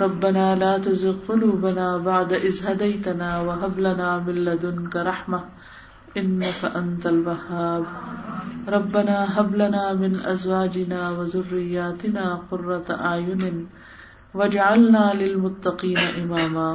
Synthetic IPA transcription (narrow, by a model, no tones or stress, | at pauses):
ɾˤɑbːanaːlaːt̪azɪɡqʊluːbanaːbaʕd̪aʔɪzhad̪ajt̪anaːwaɦablanaːmɪlːad̪ʊnkaɾˤɑħma | ʔɪnːakaʔant̪alwahːaːb | ɾˤɑbːanaːɦablanaːmɪnʔazwaːd͡ʒɪnaːwazʊrːɪjːaːt̪ɪnaːqʊrːɑt̪aʔaːjʊnɪn | wad͡ʒaʕalnaːlɪlmʊt̪ːɑqiːnaʔɪmaːmaː